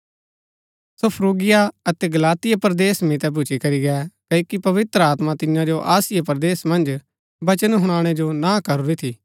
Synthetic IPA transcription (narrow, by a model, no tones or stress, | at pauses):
sopʰɾoːɡɪjaɐt̪ɛɡɐlaːt̪ɪjapɐɾd̪eːsmit̪ɛbʊt͡ʃikɐɾiɡɛːkɐiːkipɐʋɪt̪ɾəaːt̪mat̪ɪ̃jãd͡ʒoʔaːsɪjepɾd̪eːsmɐ̃nd͡ʒ | bɐt͡ʃənɦʊɽ̃aːɽ̃ɛd͡ʒonaːkɐɾuɾit̪ʰiː